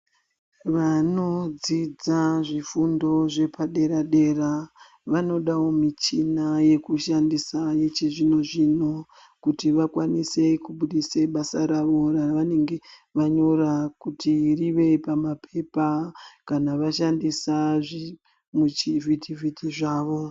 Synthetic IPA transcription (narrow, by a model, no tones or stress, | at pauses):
ʋano̞d͡zid͡zaʐifundo̞ʐe̞paɗe̞ɾaɗe̞ra | ʋano̞ɗawo̞mit͡ʃinaje̞kuʃandisajet͡ʃiʐino̞ʐino̞ | kutiʋakwanise̞kuɓuɗiseɓasaɾaʋo̞raʋane̞ŋɡe̞ʋaɲo̞ɾakutʰiriʋe̞pamapʰe̞pakanaʋaʃandisaʐi | mut͡ʃivitʰivitiʐaːʋo̞